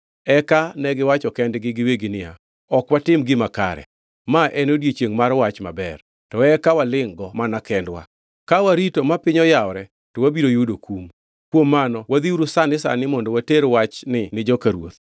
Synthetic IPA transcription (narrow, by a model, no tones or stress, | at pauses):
ɛkanɛɡɪwat͡ʃɔkɛndɡɪɡɪweɡɪnɪja̰ | ɔkwatɪmɡɪmaka̰ɾɛ̰ | maʔɛnodjet͡ʃeŋmaɾwat͡ʃma̰bɛr | tɔɛkawalɪŋɡɔmanakɛndwa̰ | kawaɾitomapɪɲɔjaɔɾɛ | tɔwabiɾojudokum | kwomːanɔwad̪iuɾusanɪsa̰nɪmɔndɔwateɾwat͡ʃnɪnɪd͡ʒɔkaɾwo̰t̪